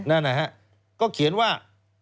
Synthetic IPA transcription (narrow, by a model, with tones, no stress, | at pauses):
na˥˩nːa˦˧ɦa˦˥ʔ | kɔː˥˩kʰi˨˩˦nwaː˥˩